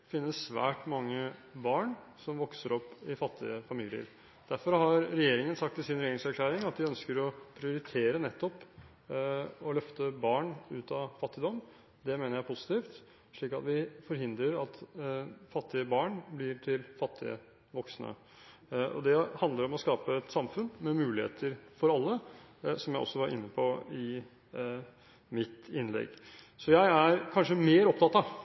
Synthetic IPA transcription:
fɪnːəsːʋæ̰ːʈmɑŋːəbɑːɳ | sɔmʋɔksəɾɔpːɪfɑt̪ʰːɪəfɑmɪljə̰ɾ | d̪̥æɾfɔɾhɑɾɾɛjeːɾɪŋənsɑkt̪ːɪlsɪnɾɛjeːɾɪŋsæɾkʰlæːɾɪŋɑt̪̚d̪ɪœnskəɾɔpʰɾɪʊɾɪt̪ʰeːɾənɛt̪ːɔp | ɔlœft̪əbɑːɳʉːt̪ɑfɑt̪ːɪd̪ɔmː | d̪ɛmeːnəɾjæɪpʰʊsɪ̥t̪iːft̪ | ʂɭiːkɑt̪ʋɪfɔɾɦɪnd̪ɾəɾɑt̪ | fɑt̪ʰːɪəbɑːɳblɪʈʰɪlfɑt̪ʰːɪə̰ | ʋɔksnə̰ | ʔɔ̰d̪ɛhɑnd̪ləɾɔmɔskɑːpəɛt̪sɑmfʉnmɛmʉːlɪhḛːt̪ʰəɾfɔɾɑlːəsɔmjæɪʔɔ̰sːɔʋɑɾʔɪ̰nːəpʰɔɪ | mɪt̪ɪnlɛ̰ɡ | sɔjæɪæɾkʰɑnʂəmeːɾɔp̚t̪ɑt̪ɑ

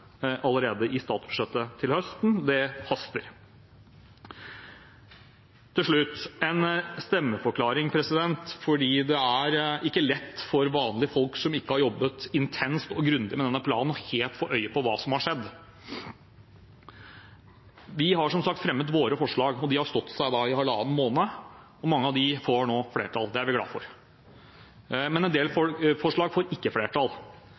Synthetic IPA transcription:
ʔɑlːəɾeːd̪əʔɪst̪ɑːt̪sbʉ̥ʂɛt̪ːət̪ʰɪlhœst̪n̩d̪ɛfɑst̪əɾ | ɪlʂɭʉt̪ːɛnst̪ɛmːəfɔɾkʰlɑːɾɪŋpʰɾɛsɪd̪ɛnt̪fɔɖiːd̪ɛæɾʔɪkːəlɛt̪ːfɔɾʋɑːnlɪəfɔlksɔmɪkːəhɑɾjɔbːət̪ɪnt̪ʰɛnst̪ɔɡɾʉnd̪ɪmɛd̪ɛnːəpʰlɑ̰ːnn̩ɔheːlt̪fɔɾʔœʏəpɔʋɑːsɔmhɑʂɛd̪ː | ʋɪɦɑʂɔmsɑk̚t̪fɾɛmːət̪ʋoːɾəfɔʂɭɑːɡɔd̪ɪhɑɾst̪ɔt̪ːsæɪd̪ɑɪhɑlɑ̰ːənmoːnə | ɔmɑŋːəɑʋd̪ɪfoːɳoːfleːɾʈʰɑld̪ɛæɾʋɪɡlɑ̰ːd̪fɔ̰ɾ | mɛnɛnd̪eːlfɔfɔʂɭɑːɡfoːɾɪkːəfleːʈʰɑl

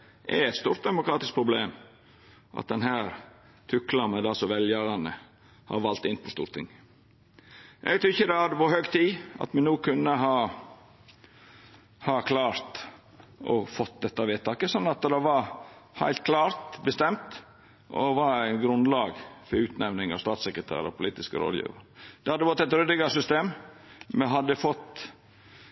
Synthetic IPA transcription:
ʔɛ̰ɾɛt̪st̪uːɾt̪d̪ɛmʊkɾɑːt̪ɪsk̚pʰɾʊbleːm | ʔɑ̰t̪̚d̪ɛnɦæːɾ | t̪ʰʉklɑməd̪ɑsɔʋɛljəɾɑnə | hɑ̰ɾʋɑlt̪ɪnpʰɔst̪ṵːɾt̪ʰɪ̰ŋ | ʔɛ̰ɡt̪ʰɾʉɾɪçːəd̪ɛhɑd̪əʋɑhøːɡt̪ʰiːʔɑ̰t̪mɛnuːkʰʉnːəɦɑː | hɑkʰlɑːɾt̪ | ʔɔ̰fɔt̪d̪ɛt̪ːɑʋeːt̪ɑːkəsɔnːɑt̪d̪ɑʋɑɾhæ̰ɪlt̪̚kʰlɑːɾt̪bəst̪ɛmt̪ | ʔɔ̰ʋɑɾæɪnɡɾʉnlɑːɡfɔɾʉːt̪næʋnɪŋɑ̰st̪ɑːt̪sɛkɾət̪ʰæ̰ːɾɔpʰʊliːt̪ɪskə̰ɾo̰ːd̪jḭːʋɑɾd̪̥ɛhɑd̪əʋɔt̪ːæɪt̪ɾʏd̪əɡɑsʏst̪eːmmɛɦɑd̪ːəfɔt̪ː

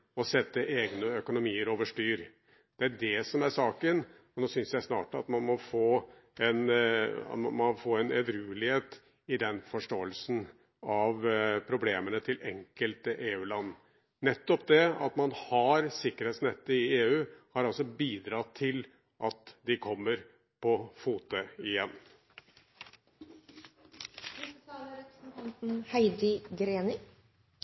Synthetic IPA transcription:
ɔsɛt̪ːəʔeːɡnəœkʊnʊmiːəɾoːʋəʂʈyːɾ | d̪̥ɛæɖɛsɔmæɾʂɑːkən | ɔnoːsʏnsjæɪsnɑ̰ːʈɑt̪mɑnmɔfoː | ɛnɑ̰t̪mɑmɑfoːɛnɛ̰d̪ɾʉːlɪheːt̪ | ɪd̪ɛnfɔʂʈoːəlsn̩ | ɑʋpʰɾʊbleːmənət̪ʰɪlɛ̰ŋkəlt̪əʔeːʉːlɑnː | ɛt̪ːɔpd̪ɛɑ̰t̪mɑnhɑɾsɪkːəɾheːt̪snɛt̪ːəɪeːʉːhɑɾɑlsɔbiːd̪ɾɑt̪ʰːɪl | ʔɑt̪d̪ɪkʰɔmːəɾ | pʰɔfuːt̪əɪjɛnː | ɾɛpɾsn̩t̪ʰɑnt̪n̩hæɪd̪ɪɡɾeːnɪ

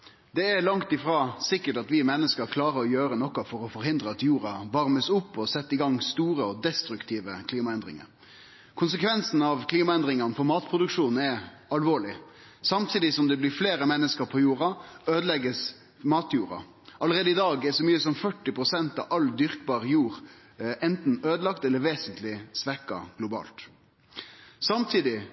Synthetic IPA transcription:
d̪ɛɛlɑŋt̪ɪfɾɑːsɪkːəʈɑt̪ʋɪmɛnːəskəɾkʰlɑːɾəɾɔjøːɾənɔkːɑfɔɾɔfɔɾhɪnd̪ɾəɑt̪juːɾɑʋɑɾməsʊpːɔsɛt̪ːɪɡɑŋːst̪uːɾəɔd̪ɛst̪ɾʉkt̪ʰiːʋəkʰliːmɑɛnd̪ɾɪ̰ŋə̰ɾ | kʰʊns̬əkʰʋɛnsn̩ɑʋkʰliːmɑɛnd̪ɾɪŋɑnfɔɾmɑːt̪pʰɾʊd̪ʉkʂuːn̩ɛ | ɑlʋoːɭɪ | sɑmt̪ʰiːd̪ɪsɔmd̪ɛblɪfleːɾəmɛnːəskəɾpʰɔjuːɾɑøːd̪əlɛɡəs | mɑːt̪juːɾɑ̰ | ʔɑləʁeːd̪əɪd̪ɑːɡɛsɔmyːəsɔmfœʈːɪpʁʊsɛnt̪ɑ̰ʋɑld̪ʏʁkbɑːʁjuːʁ | ʔɛnt̪n̩øːd̪əlɑkt̪ɛlːəɾʋeːsənt̪lɪsʋɛkɑ̰ɡ̥lʊbɑ̰ːlt̪ | sɑmt̪ʰiːd̪ɪ

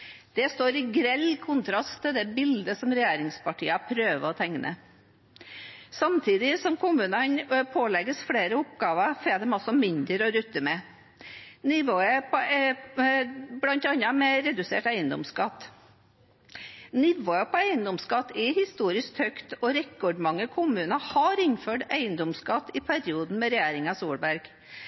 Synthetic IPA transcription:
d̪̥ɛst̪oːɾɪɡɾɛlkʰʊnt̪ʰɾɑst̪ʰːɪld̪ɛbɪld̪əsɔmɾɛjeːɾɪŋspɑʈʰiːəɑpʰɾøːʋəɔt̪ʰɛŋnʔə̰ | sɑmt̪ʰiːd̪ɪsɔmkʰʊmʉːnɑnpʰoːlɛɡəsfɽeːɾəʊpɡɑːʋɑfɛd̪ɛmɑsɔmɪnd̪əɾɔɾʉt̪ːəmɛ | nɪʋoːəpɛ | blɑnt̪ɑnɑmɛɾɛd̪ʉsḛːʈæɪənd̪ɔ̰mskɑt̪ː | nɪʋoːəpʰɔæɪənd̪ɔmskɑt̪ːɛhɪst̪uːɾɪsk̚t̪hœkt̪ɔɾɛkːɔɖmɑŋːəkʰʊmʉːnɑhɑɾɪnføːʈæɪənd̪ɔmskɑt̪ːɪpʰæɾɪuːd̪n̩mɛɾɛjæːɾɪŋɑsuːɽbæɾɡ̥

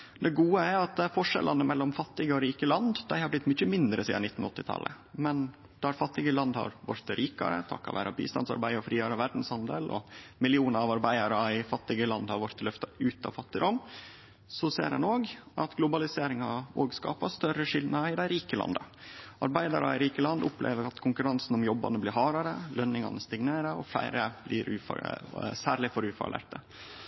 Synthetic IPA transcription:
d̪ɛɡuːəæɾɑt̪̚ɛfɔʂɛ̰lʔɑnəmɛlːɔmfɑt̪ːɪɡəɔɾiːkəlɑnd̪d̪æɪhɑɾblɪt̪ːmʏçəmɪnd̪ɾəsiːdɑ̰nɪt̪ːn̩ɔt̪ːɪt̪ʰɑ̰lə̰ | mɛn | d̪̥ɑɾfɑt̪ːɪɡəlɑnd̪hɑ̰ɾʋɔ̰ɾt̪ɾiːkɑ̰ɾə̰t̪ʰɑ̰kːɑ̰ʋæ̰ːɾɑbḭːst̪ɑnsɑ̰ɾbæɪɔfɾiːɑɾəʋæɖn̩shɑnd̪əlɔ̰mɪlɪuːnəɾɑʋɑɾbæɪɑɾəæɪfɑt̪ːɪɡəlɑnd̪hɑɾʋɔɾt̪lœft̪ɑʉːt̪ɑ̰ʋfɑt̪ːɪd̪ɔm | sɔsḛːɾɑnoːɡʔɑt̪ɡlʊbɑlɪseːɾɪŋɑoːɡskɑ̰ːpɑst̪œɾəʂɪlnəɪd̪æɪɾiːkəlɑ̰nd̪əʔɑ̰ɾbæɪd̪ɑ̰ɾɑ̰ɪɾiːkəlɑnd̪ʊplʔḛːʋəɾɑt̪kʰʊŋkʉɾɑnsn̩ʊmjɔbːɑ̰nəblɪɦɑːɾɑɾəlœnːɪŋɑ̰nəst̪ɪŋneːɾəɔflæ̰ɪɾəb̥lɪḭːɾʔʉ̰ːfsæːɾɭɪfɔɾʉːfɑ̰lḛːʈə

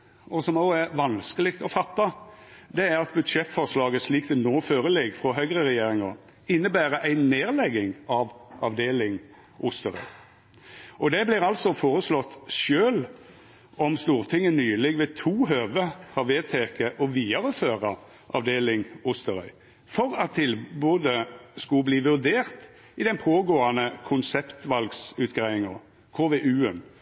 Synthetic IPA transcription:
ɔsɔmoʊæɾʋɑnskəlɪkt̪ɔfɑt̪ːɑd̪ɛæɾɑt̪̚bʉd̪ʂɛt̪ːfɔʁʂlɑːɡəsliːkt̪ɛnoːføːʁəlɛɡfʁɔɦœʏɡʁəɾɛjeːɾɪŋɑ | ɪnːəbæːɾəʔæɪneːʁlɛɡɪŋɑʋʔɑʋd̪eːlɪŋ | ʔʊst̪əɾœ̰ʏ | ʔɔd̪ɛblɪɾɑlsɔfoːʁəslɔt̪ːʃøːl | ɔmst̪uːʁt̪ʰɪŋːənyːlɪɡʋɛt̪ʰuːɦøːʋəhɑʁʋeːt̪ʰeːkəʔɔʋiːɑʁəføːʁɑ | ʔɑ̰ʋd̪eːlɪŋʊst̪əʁœʏ | fɔʁɑt̪ʰːɪlbuːd̪əskʉbliːʋʉʁd̪eːʁt̪ | ɪd̪ɛnpʰoːɡoːɑnəkʰʊnsɛpt̪ʋɑlɡsʉːt̪ɡʁæɪɪŋɑ | kʰoːʋeʔʉːən

